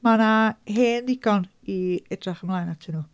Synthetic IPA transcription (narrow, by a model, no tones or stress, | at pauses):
manaheːndɪɡ̥ɔn | iɛdraχəmlˠaːjnatʰɪnuː